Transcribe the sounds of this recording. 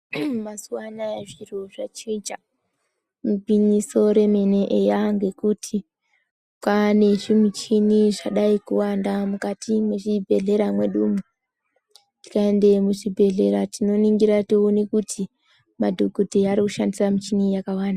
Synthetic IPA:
masuwanaeʐiroʐat͡ʃid͡ʒa | mupiɲiso̞ɾe̞me̞neʔejaŋɡe̞kutʰi | kwane̞ʐimit͡ʃiniʐaɗaikuwandamukatimweʐibʱe̞ɮe̞ɾamwe̞ɗuːmu | ti̥kae̞nde̞muʐibʱe̞ɮe̞ɾatino̞niŋɡiɾationekutʰi | madʱoɡʱodʱeaɾikuʃandisamut͡ʃinijakawaːnda

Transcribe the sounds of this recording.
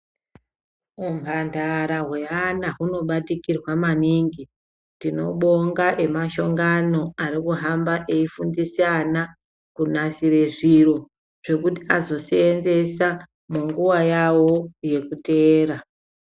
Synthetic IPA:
umpandʱaɾaɦwe̞anaɦuno̞ɓatikirwamaniːŋɡi | tino̞̰ɓo̞ŋɡaʔe̞maʃo̞ŋɡano̞arikuɦambaʔeifundisiana | kunasire̞ʐiro̞ | ʐ̥e̞kutiazo̞seːnze̞sa | muŋɡuwajawo̞je̞kuteːɾa

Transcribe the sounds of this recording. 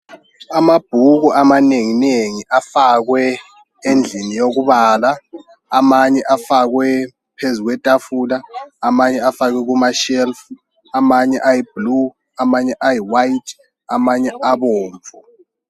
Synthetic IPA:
amab̥ʱuɣuʔamaneŋineŋiʔafaɣwɛ | end͡ɮʱinijoɣuβaːlaː | maɲɛʔafaɣwɛ | pʰezuɣwɛtʼafulaːmaɲɛafaɣɛɣ̬umaʃɛlf | amaɲɛʔajib̥lu | amaɲɛʔajiwajitʰ | amaɲɛaβɔːɱvʱɔ

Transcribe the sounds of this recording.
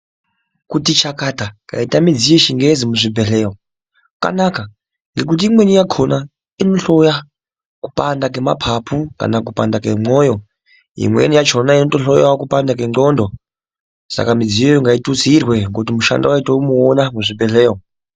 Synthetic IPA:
kutit͡ʃakataka̰itamid͡zijeʃiŋɡezimuʐibʱeɬeːwo | ka̰naka | ŋɡe̞k̬ut̬iimwe̞nijakʰona | ino̞ɬo̞ja | ku̥pandak̬ema̰pʰapʰuka̰nakupandakemojo̞ | ḭmwḛnijat͡ʃo̞naino̞toɬojawkupandakeŋŋ͡ǃondo̞ | sa̰kamid͡zijojiŋɡaitut͡sirwe̞ŋɡotimuʃa̰nda̰waitoumuonamuʐibʱeɬeːwo

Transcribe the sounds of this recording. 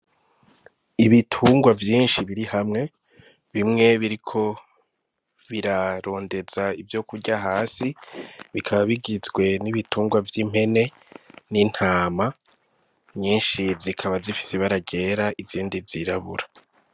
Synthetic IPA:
iβitʰuːŋɡwavjiːnʃiβiɾihamŋe̞ | βimŋe̞βiɾikʰo̞ | βiɾaɾo̞ːnde̞z̥aivjo̞kuɾɟaɦaːsiβikʰaβaβiɡizɡwe̞niβitʰuːŋɡwavjim̥he̞ne̞ | nin̥haːma | ɲiːnʃizikʰaβazifi̥seβaɾaɟe̞ːɾaʔiziːndiziɾaβuɾa

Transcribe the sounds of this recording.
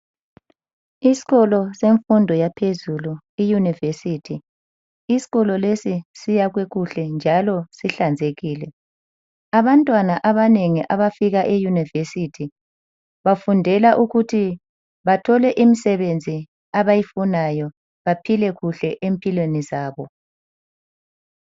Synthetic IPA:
isi̥ɣɔlɔseɱfundʱɔjapʰezulu | ijunivesitʰi | isi̥ɣɔlɔlesisijaɣweɣuɬɛnd͡ʒʱalɔsiɬand͡zʱeɣiːlɛ | aβantʼwanaʔaβaneŋiʔaβafiɣaʔejunivesitʰi | βafundʱɛlaʔuɣutʰi | βatʰɔlɛʔimisɛβend͡zʱi | aβajifunajɔ | βapʰilɛɣuɬɛʔempʰʼilwenizaːβɔ

